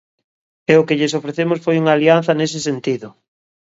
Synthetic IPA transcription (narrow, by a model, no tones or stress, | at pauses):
ɛʊkeʎes̬ofɾeθemʊsfojuŋaːlian̟θɐnes̬ɪsent̪iðʊ